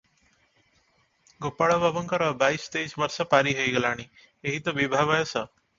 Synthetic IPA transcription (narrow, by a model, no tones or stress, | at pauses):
ɡopaɭəbəbəŋkəɾəbaiːst̪eisʋəɾsəpaɾiːɦəiɡəlaːɽ̃i | eɦit̪ɔbibʱaʋajəsə